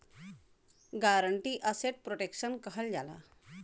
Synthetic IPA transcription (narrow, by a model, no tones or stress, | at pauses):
ɡaɾəɳʈiːʔəseʈ̚pɾoʈekɕənkəɦəld͡ʑala̰